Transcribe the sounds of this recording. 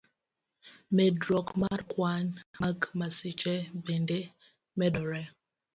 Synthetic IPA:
mɛdɾɔkmaɾkwanakmasit͡ʃɛbende | mɛɗɔɾɛ

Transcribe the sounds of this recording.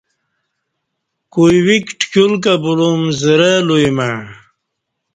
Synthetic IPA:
kujwikʈkjulk̬ɐbulumzəɾelujma

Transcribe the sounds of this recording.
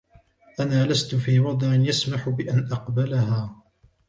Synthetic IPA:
ʔanaːlast̪ʊfiːwɑd̪ˤʕɪnjasmaħʊbɪʔanʔɑqbalahaː

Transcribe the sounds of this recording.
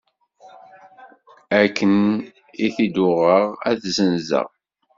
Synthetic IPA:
ækːən | iθid̪ʊʁəʁæθzənzə̰ʁ

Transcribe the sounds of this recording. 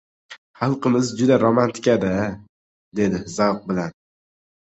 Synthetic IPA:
χɑlˠqɨmɪzd͡ʒʊd̪aɾomant̪ʰɪ̥kʲad̪a | d̪e̞d̪ɪzawq̚bɪlan

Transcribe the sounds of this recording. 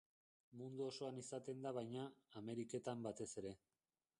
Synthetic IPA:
mund̪uoso̞anisat̪e̞nd̪aβ̞ajɲaːme̞ɾike̞t̪ambat̪e̞se̞ɾe̞

